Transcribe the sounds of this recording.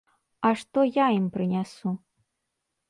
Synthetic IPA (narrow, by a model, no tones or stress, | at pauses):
aʂt̪ɔjaimpɾɨnʲasu